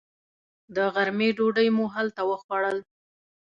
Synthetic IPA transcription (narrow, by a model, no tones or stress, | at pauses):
d̪əɣaɾmeɖoɖəjmuɦalt̪awəxwaɽəl